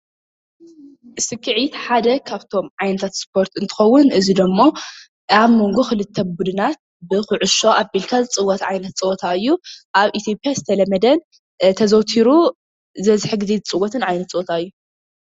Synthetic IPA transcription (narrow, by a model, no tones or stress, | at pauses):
ʔɨsɨkʰːɨʕit̪ħad̪ɐkʰaβt̪ʰo̞mʕajnɐt̪ʰat̪spʰo̞ɾt̪ɨnt̪ʰɨ̥xɐwːʊnʔɨzid̪ɐmːo̞ | aβmo̞ŋɡuxɨlɨt̪ʰːɐbud̪ɨnat̪̚ | bɨxʊʕʊʃo̞ʔabilkʰazt͡sʼɨwːɐt̪ʕajnɐt̪̚t͡sʼɨʔt̪ʰaɨjːuʔaβʔit̪ʰijopʼijazɨt̪ʰɐlɐmɐd̪ɐn | t̪ʰɐzɐwt̪ʰiɾu | zɐzɨħɨɡɨzizɨt͡sʼɨwɐt̪ʰɨnʕajnɐt̪t͡sʼoʔot̪ʰaɨjːu